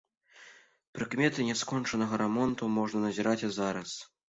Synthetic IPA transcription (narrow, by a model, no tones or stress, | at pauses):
pɾɨkmʲɛt̪ɨnʲɛskɔnt͡ʂɐnɐɣɐɾamɔnt̪umɔʐnɐnɐzʲiɾat͡sʲzaɾɐs